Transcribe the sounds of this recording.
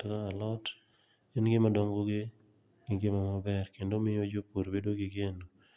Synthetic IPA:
tɔkaalɔt | inɡɪmadɔŋɡoɡɪ | ɡɪɡɪmamabɛrkendomɪjod͡ʒopoɾbedoɡɪɡeno

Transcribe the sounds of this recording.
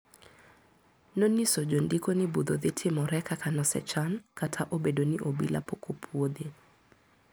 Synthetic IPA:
nonisod͡ʒondikonɪbud̪oðɪtʰɪmɔɾɛkakanɔsɛ̰t͡ʃankatʰaʔobedonɪʔobḭla̰pokʰopʰwod̪e

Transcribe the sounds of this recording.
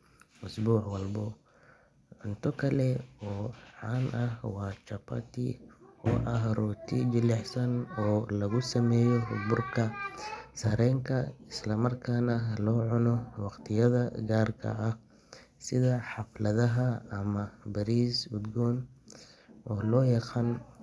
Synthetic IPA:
ʊsbuːħwɑlbɔ | ʕʊnt̪ʰɔkʰɐlɛɔːʕɑnʔɐhwɑːt͡ʃɐpʰɐ̰t̪ʰḭɔ̰ːʔɐɦrʊt̪ʰɪd͡ʒɪlɛħsɐnɔːlɐɣʊsɐmɛːjɔɦʊ̰bʊrkʰɐsɐɾɛːŋkʰɐɪslɐmɐrkʰaːnɐlɔːʕʊnɔwɑqt̪ʰɪjɐðɐɡaːrkʰɐ̰ʔːh | sɪðɐħɑflɐðɐɦɐːmɐbɐɾiːsud̪ɡɔːn | ʔɔːlɔːjɑqaːn

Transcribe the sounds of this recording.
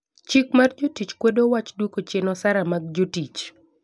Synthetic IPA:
t͡ʃikmard͡ʒotit͡ʃkwodowat͡ʃdwokot͡ʃenɔsaɾamaɡ̚d͡ʒotit͡ʃ

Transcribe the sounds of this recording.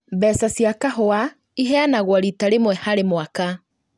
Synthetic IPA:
bɛsasjakaɦoa | iɦɛanaɣwaɾitaɾemwɛhaɾemwaka

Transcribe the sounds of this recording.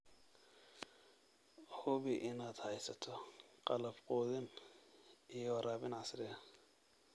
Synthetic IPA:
hʊβɪʔɪnaːd̪hɛjsɐt̪ʰɔqɑlɐbqɔːðɪn | ijɔwɐɾaːβɪnʕɑsɾɪɐ

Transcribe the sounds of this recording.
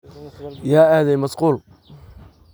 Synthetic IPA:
jaːaːðɛjmɐsquːl

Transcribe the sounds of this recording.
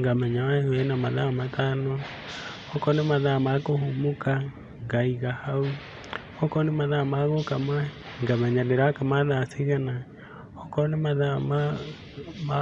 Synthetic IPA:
ŋɡamɛɲaaɛnamaðamatano | ɔkɔnemaðamakohumoka | ŋɡaiɣahau | ɔkɔnemaðamaɣokama | ŋɡamɛɲaneɾakamaðaseɣana | ɔkɔnemaðama | m

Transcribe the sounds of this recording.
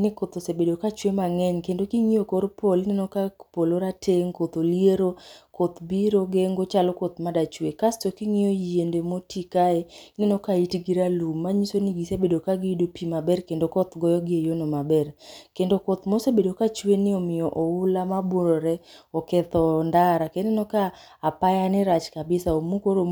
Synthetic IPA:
nɪkot̪osebedokat͡ʃwemaŋɛɲkendokiŋiokoɾpolnɛnokapoloɾatʰeŋkot̪olieɾokot̪biɾoɡeŋɡot͡ʃalɔkot̪madat͡ʃwekastokiŋɪoiendemotikaenɛnokaitɡiɾalumːaɲisoniɡisebedokaɡɪdopimabɛrkendokɔt̪ɡɔjɔɡɪejonomabɛrkendokɔt̪mosebedokat͡ʃwenɪɔmɪjɔʔɔʊlamaboɾoɾɛɔkɛt̪ɔndaɾakenɪnɔkaː | pajanɪɾat͡ʃkabɪsaomukoɾo

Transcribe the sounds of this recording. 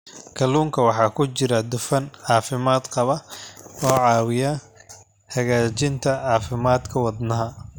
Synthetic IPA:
kʰɐluːŋkʰɐwɑħɑːkʰʊt͡ʃɪɾɐd̪ʊfɐnʕɑːfɪmaːd̪qɑβɐɔːʕɑːwɪjɐ | hɐɣaːt͡ʃɪnt̪ʰɐʕɑːfɪmaːd̪kʰɐwɑd̪nɐɦɐ

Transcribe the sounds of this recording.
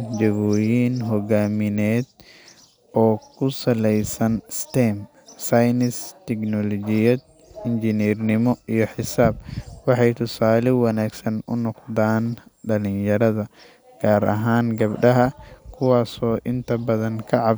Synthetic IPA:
d͡ʒɐβɔːjiːnɦɔɣaːmɪnɛːd̪ | ɔːkʰʊsɐlɛjsɐnst̪ɛːm | sɐjnɪst̪ʰɛknɔlɔd͡ʒɪjɐd̪̚ | ɪnd͡ʒɪniːrnɪmɔijɔħɪsaːb̚wɑħɑjt̪ʰʊsaːlɪwɐnaːɡsɐnʊ̰nɔqd̪aːnɖɐlɪnjɐɾɐðɐ | ɡ̥aːɾʔɐ̰ɦaːŋɡɐbɖɐɦɐkʰʊwaːsɔːʔɪnt̪ʰɐbɐðɐŋkʰɐʕɑ

